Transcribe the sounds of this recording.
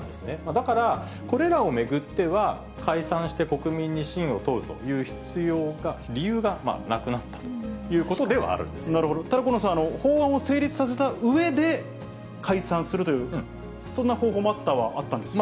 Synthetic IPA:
nd̪esɨne̞mad̪akaɾa | ko̞ɾe̞ɾao̞me̞ɡɯ̟t̪ːe̞βa | kʰaisãɰ̃ɕi̥t̪e̞ko̞kɯ̟mʲĩɲ̟ːiɕĩɰ̃o̞t̪oɯ̟t̪o̞̰jɯ̟ːçi̥t͡sɨjo̞ːɡaɾʲijɯːɡama̰ːnakɯ̟nat̪ːḁt̪o̞̥jɯ̟ːko̞t̪o̞d̪e̞βa̰ːɾɯ̟̃nd̪esnaɾɯ̟ɦo̞d̪ot̪ad̪akonosaːno̞ho̞ːβãɰ̃ose̞ːɾʲit͡sɨ̥sas̬e̞t̪aɯ̟e̞d̪e̞ | kʰaisãɰ̃sɨɾɯ̟t̪o̞jɯ̟ː | sõ̞nːaho̞ːɦoːmoat̪ːaβaʔat̪ːãnd̪e̞sm

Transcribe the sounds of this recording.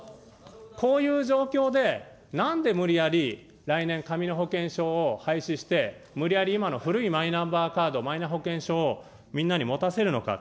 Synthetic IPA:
kʰo̞ːjɯ̟ːʑo̞ːkʲo̞ːd̪e̞ | nãnd̪e̞mɯ̟ɾʲiaɾʲi | ɾainẽ̞ŋkamʲino̞ɦo̞kẽ̞ɰ̃ɕo̞ːhaiɕiɕi̥t̪e̞mɯ̟ɾʲijaɾʲiːmano̞ɸɯ̟ɾɯ̟imainãmbaːkaːd̪o̞mainaɦo̞kẽ̞ɰ̃ɕo̞ː | mʲĩnːaɲ̟imo̞t̪ase̞ɾɯ̟no̞ka̰

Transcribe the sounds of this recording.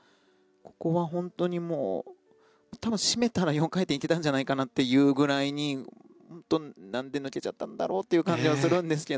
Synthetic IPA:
ko̞̥ko̞βaɦõ̞nt̪o̞ɲ̟imo̰ː | t̪abɯ̟̃ɕime̞t̪aɾajõ̞ŋkaet̪eit̪et̪ãɲ̟d͡ʑanaikanat̪ːe̞jɯ̟ːɡɯ̟ɾaiɲ̟i | hõnt̪o̞nãnd̪e̞nɯ̟ke̞t͡ɕat̪ːãnd̪a̰ɾo̞ːt̪ːejɯ̟ːkãɲ̟d͡ʑiβasɨɾɯ̟̃nd̪e̞sɨ̥ke

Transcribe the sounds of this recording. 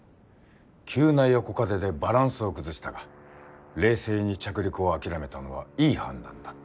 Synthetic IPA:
kʲʰɨːnaijoko̞kaze̞d̪e̞baɾãɰ̃sɨo̞kɯ̟zɨɕi̥t̪aɡa | ɾe̞ːse̞ːɲ̟it͡ɕakɯ̟ɾʲikɯ̟o̞akʲiɾame̞t̪ano̞β̞a̰iːhã̰nd̪ã̰nd̪̥ḁ

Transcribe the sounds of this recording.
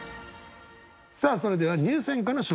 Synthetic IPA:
saːso̞ɾe̞d̪e̞β̞aɲ̟ɨːsẽ̞ŋkanoɕo

